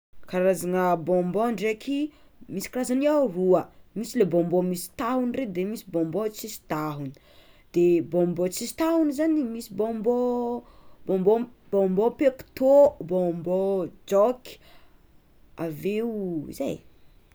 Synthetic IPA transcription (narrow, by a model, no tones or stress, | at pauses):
kaɾazaŋəbõmboɳɖ͡ʐeki | misi̥kɾazaniawruəmisilebõmbomisi̥t̪aɦunired̪emisibõmbot͡sisi̥t̪aɦuni̥ | d̪̥ebõmbot͡sisi̥t̪aɦunizanimisibombo | bõmbob̥õmbopeku̥t̪obombɔd͡ʒɔki̥ | aveḭza̰j